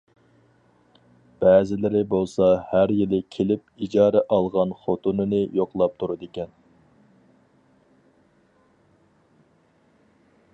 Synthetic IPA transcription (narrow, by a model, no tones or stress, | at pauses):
b̥ɛːzɪlɪɾɪbolˠsɑhæɾjilɪkʲʰelɪp̚id͡ʒɑːɾɛʔɑlˠʁɑnχot̪unɨnɨjoqlˠɑp̚t̪ʰuɾud̪ɪkʲɛn